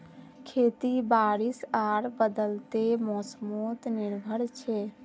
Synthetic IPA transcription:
kʰet̪ibaɾisaɾbəd̪əlt̪emɔsmot̪niɾbʱəɾt͡ʃʰɛ

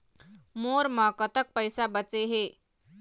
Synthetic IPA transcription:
moːɾmãkət̪ək̚pəjsabət͡ʃeɦeː

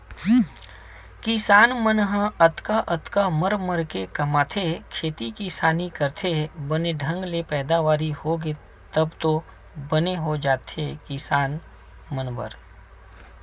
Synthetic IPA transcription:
kɪsaːnmənɦəət̪kaʔət̪kaməɾməɾkekɐmaːt̪ʰekʰeːt̪ikisaːnikəɾt̪ʰebəneɖʱə̃ŋɡlepɛːd̪aʋaːɾihoɡe | t̪əbt̪o | bəneɦod͡ʒaːt̪ʰekɪsaːn | mənbə̰ɾ

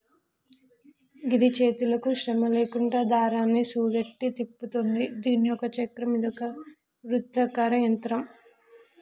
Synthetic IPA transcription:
ɡid̪it͡ʃe̞ːt̪ulɐkuʃɾɐmɐle̞ːkuɳɖaːd̪ʱaːɾaːnːisuːd̪ɐʈːit̪ipːut̪und̪id̪iːnijɔkɐt͡ʃɐkɾɐmid̪ɔkɐ | ʋɾut̪ːɐkaːɾɐjɐnt̪ɾɐm

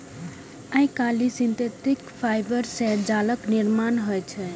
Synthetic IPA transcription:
ãĩkalisint̪et̪ikpʰajbəɾsɛd͡ʒaləkniɾmanɦɔjt͡ʃʰɛ

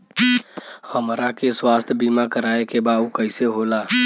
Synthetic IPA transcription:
həmɾakeswast̪ʰjəbimakəɾaekebaukəɪseɦola

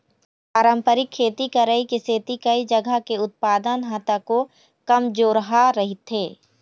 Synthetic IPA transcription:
paːɾə̃mpəɾɪkʰːeːt̪ikɐɾəikiseːt̪ikɐid͡ʒəɡʱəkeʊt̪̚paːd̪ənɦat̪ako | kɐmd͡ʒoːɾəɦaɾɐɦɪt̪ɦeː

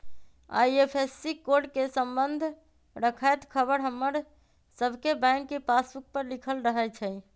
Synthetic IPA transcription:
a̰jepʰesːikoɾɖkesəmbənd̪ʱ | ɾəkʰajt̪kʰəbəɾɦəmːəɾ | səbʱkebãŋkːepasbuk̚pəɾlikʰəlɾəɦət͡ʃʰəj

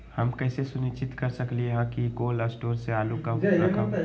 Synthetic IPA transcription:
hɐmkɛːsesʊnɪt͡ʃɪt̪kɐɾsɐklieɦãkikoːlasʈoːɾseaːlukɐaka

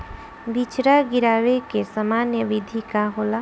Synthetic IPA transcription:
bʱit͡ʃɾaɡɪɾaːʋekesɐmaːnjəʋɪd̪ʱikaɦoːlaː

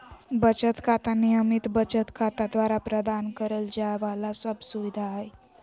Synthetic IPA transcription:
bət͡ʃət̪kʰat̪anijəmit̪bət͡ʃət̪kʰat̪ad̪ʋaɾapɾəd̪ankəɾəld͡ʒaeʋalasəbsuʋid̪ʱaɦe

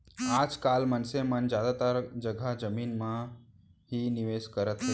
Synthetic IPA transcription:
aːd͡ʒkaːlmənsemənd͡ʒjaːd̪at̪aɾd͡ʒəɡʱad͡ʒəmiːnmã | ɦinɪʋeːskəɾət̪ɦə

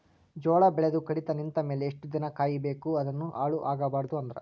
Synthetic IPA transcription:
d͡ʒɔːɭɐbɛɭed̪ukɐɽit̪ɐnint̪ɐme̞ːleːʂʈud̪inɐkaːjibeːkuɐd̪ɐnːuʔaːɭuʔaːɡɐbaːɾɐd̪uɐnd̪ɐɾɐ̰

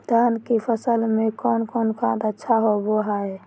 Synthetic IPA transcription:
t̪əɦənkipʰəsəlmekonkonkʰãt̪ətːʃʰaɦoboɦae

